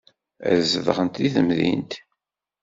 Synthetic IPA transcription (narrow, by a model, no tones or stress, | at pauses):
æ̰zəðʁənt̪iθəmðḭnt̪